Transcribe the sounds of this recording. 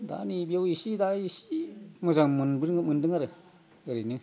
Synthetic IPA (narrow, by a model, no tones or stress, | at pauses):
da̰nibiawisidaisi̥mɯzaŋmɯnbɯɾŋɯmɯndɯŋaɾɯ | ɯɾinɯ